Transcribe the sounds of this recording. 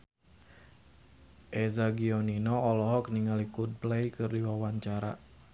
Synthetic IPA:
ʔezaɡiɔninɔɔlɔɦɔkəniŋalikud̪̚blejkɨrdiwawaɲt͡ʃaɾa̰

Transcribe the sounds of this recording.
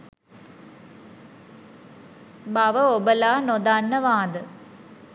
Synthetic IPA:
baʋəobəlaːnod̪anːəʋaːd̪ə

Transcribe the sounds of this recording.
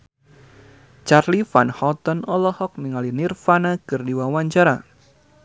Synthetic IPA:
t͡ʃarlifanhɔt̪ɔnɔlɔhɔk̚niŋalinirfanakɨrdiwawaɲt͡ʃaɾa

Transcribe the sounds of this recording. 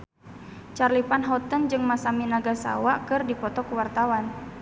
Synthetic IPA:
t͡ʃarlipanɦɔt̪ənd͡ʒɨŋmasaminaɡasa̰wakɨrdipɔt̪ɔkəwart̪awan

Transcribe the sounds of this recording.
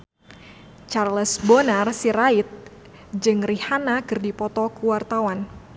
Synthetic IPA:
t͡ʃarləsbonarsiɾait̪̚ | d͡ʒɨŋrihanakɨrdipɔt̪ɔkuwart̪awan

